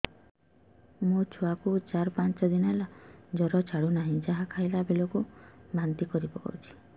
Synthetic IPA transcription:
mut͡ʃʰuakut͡ʃaɾɔpant͡ʃɔd̪inɔɦɛlad͡ʒɔɾɔt͡ʃʰaɽunaɦĩd͡ʒaɦakʰajlabelɔkubant̪ikɔɾibɔkɔ̰ut͡ʃʰi̥

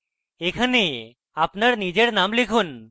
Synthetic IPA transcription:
ekʰəne | apnəɽnid͡ʑeɽnamlikʰuːn

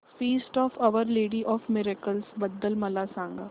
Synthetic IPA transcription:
fiːsʈɔːfɐʋəɾleːɖiʔɔːfmɪɾekəlsbɐd̪ːəlmɐlasãːŋɡa̰ː

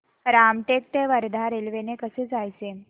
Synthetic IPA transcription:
ɾamʈek̚t̪eʋəɾd̪ʱaɾelʋenekəseːd͡zajt͡se

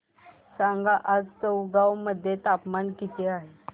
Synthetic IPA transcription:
sãŋɡaʔad͡zt͡səwɡawməd̪ʱːjet̪apmankit̪ʰeaɦe

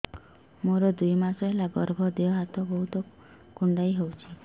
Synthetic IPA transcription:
moɾɔd̪ujmasɔɦelaɡɔɾbʱɔd̪eɔɦat̪ɔbɔɦut̪ɔ | kuɳɖajɦewt͡ʃʰi

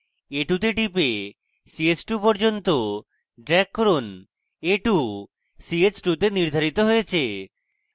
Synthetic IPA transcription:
eʈut̪eɖipe | siet͡ɕʈupɔɾd͡ʑont̪o | ɖɾɛkːɔɾon | eʈu | siet͡ɕʈut̪eniɾd̪ʱaɾit̪oɦojet͡ɕʰe

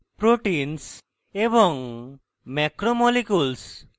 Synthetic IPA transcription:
pɾoʈins | ebɔŋ | mɛkɾomɔlikuls

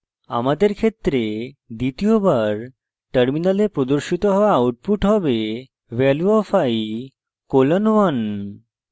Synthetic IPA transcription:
a̰mad̪eɾkʰet̪ːɾed̪it̪iobaɾ | ʈəɾminalepɾod̪oɾʃit̪oɦɔwaauʈ̚puʈɦɔbe | wɛluafaj | kolanwan

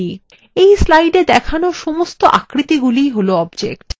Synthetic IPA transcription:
i | ejslajɖed̪ɛkʰanoʃɔmost̪oʔa̰kɾit̪iɡulijɦoloɔbd͡ʑḛkʈ

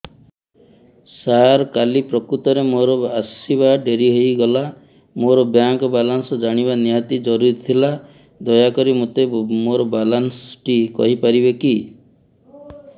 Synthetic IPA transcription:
saɾkalipɾɔkɾut̪ɔɾemoɾɔasiβaɖeɾiɦojɡɔla | moɾɔbjaŋkɔbalansɔd͡ʒaɽ̃iβanijat̪id͡ʒɔɾuɾit̪t̪ʰila | d̪ɔjakɔɾimot̪emoɾɔbalansʈikɔ̰ɦipaɾibeki

